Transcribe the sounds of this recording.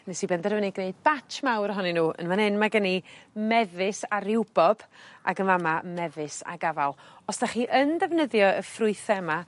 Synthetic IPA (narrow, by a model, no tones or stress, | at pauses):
nɛsibɛndɛrvənɪɡneɨd̚bat͡ʃmawɾəɦɔninuːʔə̰nvanɪnmaɡənimɛvɪsaɾɪwb̥ɔb̥a̰ɡənvamamɛvɨsa̰ɡavalˠɔsd̥aχiːʔəndɛvnəðjɔəfrʊɨθɛma